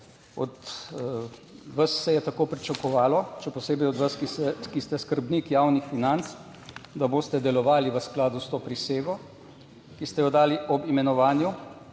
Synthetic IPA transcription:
ɔ̰d̪ | ʋasːɛjɛt̪akoːpɾit͡ʃakɔʋaːlɔʃɛpɔseːbɛjɔd̪ʋaskisɛkist̪ɛskəɾbnikjawnixfinant̪s | d̪aboːst̪ɛd̪ɛlɔʋaːliʋəsklaːd̪ust̪oːpɾiseːɡɔ | kist̪ɛjɔd̪aːliʔɔbimɛnɔʋaːnju

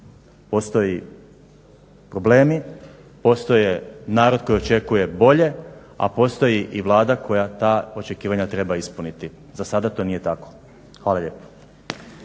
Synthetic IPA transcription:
po̞st̪oji | pɾo̞ble̞ːmi | po̞st̪o̞jenaːɾod̪ko̞jo̞t͡ʃe̞kuje̞bo̞ʎe̞ | a̰po̞st̪o̞jiʔiʋlˠaːd̪akʰo̞jat̪aːo̞t͡ʃe̞kiːʋaɲat̪ɾe̞baispunit̪i | zasad̪at̪o̞ːnije̞t̪ako̞̥ | xʋaːlaʎe̞ːpo̥

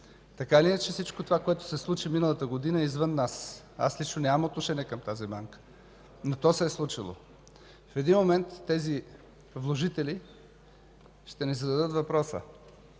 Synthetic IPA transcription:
t̪ɐkailʲinət͡ʃɛfsit͡ʃkot̪ovakoɛt̪o̥sɛslˠut͡ʃiminəlˠət̪əɡod̪inəɛizvənːas | a̰slit͡ʃnonʲamot̪noʃɛniɛkəmt̪azibaŋkə̥ | not̪ɔsɛːslˠut͡ʃilˠo̰ | fɛd̪inmomɛnt̪ːɛzi | vlˠoʒit̪ɛli | ʃt̪ɛnɛzɐd̪ɐd̪ɤt̪vɐpɾɔsə̰

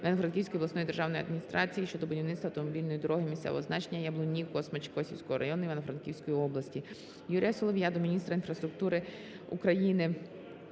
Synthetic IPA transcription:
ʋenɔfɾɐnkʲiwsʲkɔjiʋlˠɐsnɔjd̪erʒɑwnjiɐd̪mʲinʲist̪ɾʔɑt͡sʲijiʃt͡ʃɔd̪ɔbʊdʲiwnɪt̪sɐwt̪ɔmɔbʲilʲnɔjid̪ɔɾɔɦɪmʲisʲt̪sɛ̰ʔɔ̰ɦɔznɑt͡ʃenʲːɐjɐblˠʊnʲːikɔsmet͡ʃkɔsʲiwsʲkɔɦɔɾʔɐ̰jɔnʊiʋenɔfɾɐnkʲiwsʲkɔjiɔblˠɐsʲtʲi | juɾʲijɐsʲɔlˠɔʋʲjad̪ɔminʲist̪ɾɐinfɾɐst̪ɾʊk̚t̪uɾɪ | ukɾɐjinɪ

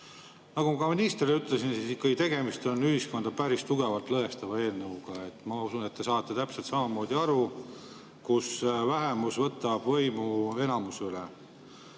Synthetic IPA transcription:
nɑɡumɑkɑminist̪riyt̪ːˑle̞sinsisikːɑɡ̥it̪e̞ɡe̞mist̪o̞nːyhisko̞nd̪̥ɑpæɾist̪uɡe̞vɑlt̪ˑlɤɦe̞st̪ɑvɑe̞ːlnɤuɡ̥ɑe̞t̪ːmɑusunet̪ːe̞sɑːt̪ːˑe̞t̪æpse̞lt̪sɑmɑmo̞ːd̪iɑɾu | kusvæɦe̞musvɤt̪ːˑɑb̥vɤjmue̞nɑmusylḛ

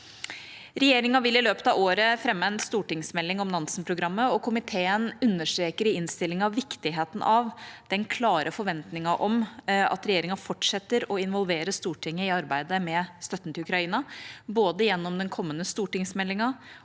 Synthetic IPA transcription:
ɾɛjeːɾɪŋɑʋɪlːɪløːpət̪ɑʋoːɾəfɾɛmːəɛnst̪uːʈɪŋsmɛlːɪŋɔmnɑnsn̩pʰɾʊɡɾɑmːəɔkʰʊmɪt̪ʰeːənʉnːəʂʈɾeːkəɾɪɪnst̪ɪlːɪŋɑʋːɪkt̪ɪɦeːt̪n̩ʔɑʋd̪̥ɛnkʰlɑːɾʔəfɔɾʋɛnt̪nɪŋɑʔɔmɑ̰t̪ɾɛjeːɾɪŋɑfɔʈʂɛt̪ːəɾɔɪnʋɔlʋeːɾəst̪uːʈʰɪŋːəɪɑɾbæɪd̪əmɛst̪œt̪ːənt̪ʰɪlʉkɾɑiːnɑboːd̪əjɛnːɔmd̪ɛnkʰɔmːənəst̪uːʈɪŋsmɛlːɪŋɑ

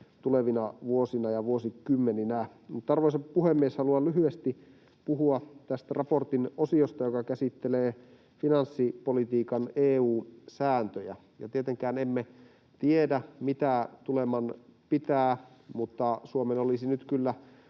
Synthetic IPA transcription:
t̪uleʋinɑʋuosinɑjɑʋuosikymːeninæ | mut̪ːɑrʋoisɑppuhemːieshɑluɑlyɦyest̪i | puɦuɑt̪æst̪ærɑport̪inosiost̪ɑjokɑkæsit̪ːeleː | finɑnsːipolit̪iːkɑneːuːsæːnt̪øjæ̰ | jɑ̰t̪iet̪eŋkæːnemːe | t̪iedæmit̪æt̪ulemɑnpit̪æː | mut̪ːɑsuomenolisinyt̪kylːæ

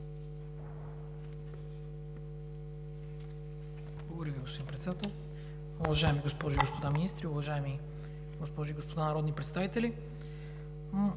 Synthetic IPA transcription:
blˠɐɡ̪oɾəviɡospod̪inpɾɛt̪sɛd̪at̪ɛlˠ | ʊvɐʒaɛmiɡospɔʒʊiɡospod̪aminist̪ɾiʊvɐʒaɛmi | ɡospɔʒʊiɡospod̪anɐɾɔd̪nipɾɛt̪st̪avit̪ɛlʲi

